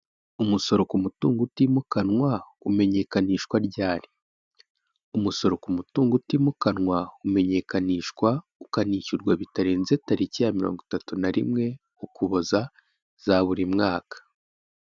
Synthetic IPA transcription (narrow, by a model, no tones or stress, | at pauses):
umuso̞ɾo̞kumutuːŋɡutiːmukanŋwa | ume̞ɲe̞kaniːʃkwaɾɟaːɾi̥ | umuso̞ɾo̞kumutuːŋɡutimukanŋwaume̞ɲe̞kaniːʃkwa | ukaniːçuɾɡwaβitaɾeːnze̞taɾicijamiɾo̰ːŋɡotatunaɾḭmŋe̞ | ukuβoza | z̥aβuɾimŋaːkḁ